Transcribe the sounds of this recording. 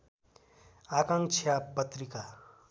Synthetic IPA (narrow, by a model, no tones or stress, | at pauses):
aːkãŋkt͡ʃʰijapət̪ɾika